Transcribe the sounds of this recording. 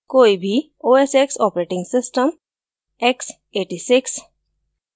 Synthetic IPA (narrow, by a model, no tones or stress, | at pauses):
koibʱi | oeseksɔpɾeʈĩŋɡsɪsʈəm | eks | eʈisɪks